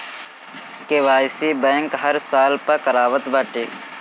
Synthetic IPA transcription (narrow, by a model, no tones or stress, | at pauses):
keʋaːjsiːbɛ̃ːŋkɦəɾsaːlpəkəɾaːʋət̪baʈeː